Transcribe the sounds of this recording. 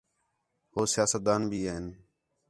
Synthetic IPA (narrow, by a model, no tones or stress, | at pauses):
ɦoːsɪjaːsət̪̚d̪aːnbʱiːeːɪn